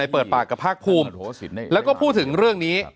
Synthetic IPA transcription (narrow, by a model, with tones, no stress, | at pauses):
a˧jpɤː˨˩t̪̚paː˨˩kːa˨˩pʰaː˥˩k̚pʰuː˧mlɛː˦˥wkɔː˥˩pʰuː˥˩t̪ʰɯ˩˦ŋɾɯ˥˩əŋniː˦˥